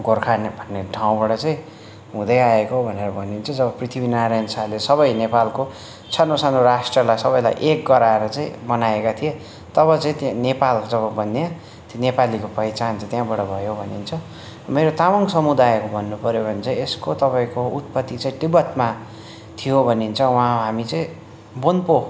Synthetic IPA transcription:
ɡorkʰanbʱʌnːeʈʰaw̃baɽʌt͡sãĩ | ɦũd̪ʌjaekobʱʌneɾʌbʱʌnint͡sʰʌd͡zʌβʌprit̪ʰibinaɾajnsalesʌβʌjnepalko | t͡sʰʌnosanoɾasʈrʌlajsʌβʌjla̰jʔek̚ɡʌɾaeɾʌt͡sãĩmʌnaekat̪ʰie | t̪ʌβʌt͡saĩt̪ãnepald͡zʌβʌbʱʌnːa | t̪nepalikopʌjt͡sant͡sʰʌt̪jãbʌɽʌbʱʌjobʱʌnint͡sʰʌ | meɾot̪awʌŋsʌmud̪ajekobʱʌnːupʌɾjobʱʌnet͡sʰʌ̃eskot̪ʌpaĩkout̪̚pʌt̪ːit͡saĩʈibʌt̪ma | t̪ʰijobʱʌnint͡sʰʌwaɦãɦamit͡sãĩ | bonpo

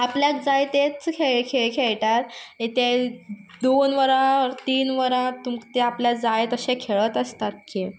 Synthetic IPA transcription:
apljakd͡zajt̪et͡skʰeɭkʰeɭkʰeɭʈaɾet̪e | d̪onʋəɾãəɾt̪iːnʋəɾãt̪umkt̪eapljad͡zajet̪əɕẽkʰeɭət̪əst̪at̪ki

